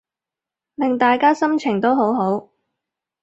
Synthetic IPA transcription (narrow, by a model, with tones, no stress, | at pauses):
lɪ˨ŋt̪aː˨jkaː˥sɐ˥mt͡ʃʰɪ˨˩ŋt̪o˥wɦo˨˥wɦo˨˥w